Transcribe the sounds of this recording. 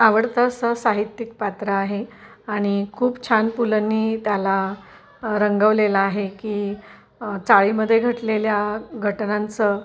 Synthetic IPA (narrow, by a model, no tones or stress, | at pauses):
aʋəɽt̪əsəsaɦit̪jik̚pat̪ɾəaɦe | aɽ̃ikʰuːpt͡ɕʰanpulənːiːt̪jala | ɾəŋɡəʋlelaaɦekiː | t͡saɭiməd̪ʱːjeɡʱəʈleljaɡʱəʈnãnt͡sə